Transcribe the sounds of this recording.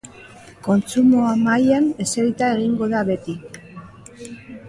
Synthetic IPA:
ko̞nt͡sumoamajane̞seɾit̪ae̞ɣiŋɡo̞ðaβe̞t̪i

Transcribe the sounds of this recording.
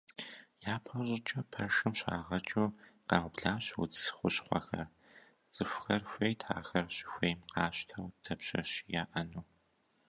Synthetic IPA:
jaːpʰɐʑʼɪt͡ʃʼɐpʰɐʃɨmɕa̰ːʁɐt͡ʃʼuːqɑːʁʷʊbɮaːɕwʊ̰t͡sxʷʊɕχʷɔ̰xɐ̰r | t͡sʼɨfʷxɐrxʷeːjtʰa̰ːxɐrɕxʷeːjmqɑːɕtʰɐwtʰɐpɕɐɕjaːʔɐnuː

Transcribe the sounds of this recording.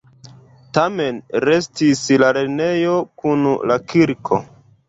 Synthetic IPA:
tame̞nɾe̞stislaɾene̞jo̞kunlakʰiɾkʰo̞̰

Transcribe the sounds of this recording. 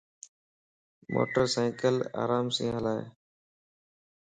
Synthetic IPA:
mo̰ːʈəɾsaːkəla̰ːɾaːmsẽːɦəlaːḛː

